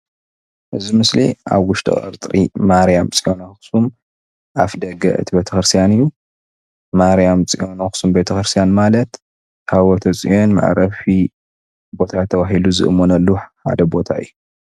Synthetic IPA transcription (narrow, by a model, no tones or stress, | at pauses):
ʔɨzimɨslḭʔa̰βwʊʃt̪ʰʼɨ̰χʼɐ̰ɾt̪ʼɾḭmaɾijamt͡sʼiʔonɐxxsum | ʔafd̪ɐɡɐ̰ʔɨ̰t̪ʰibet̪ʰɐxɾɨst̪ijanɨjːu | maɾijamt͡sʼiʔo̞nɐxsumbet̪ʰɐxɾɨst̪ʰijanmalɐt̪ | hawɐt̪ʰɐt͡sʼijo̞nma̰ʕɾɐfi | bo̞t̪ʰat̪ʰːɐβaɦiluzɨ̰ʔɨmːonɐlːuħa̰d̪ɐbo̞t̪ʰa̰ɨ̰jːu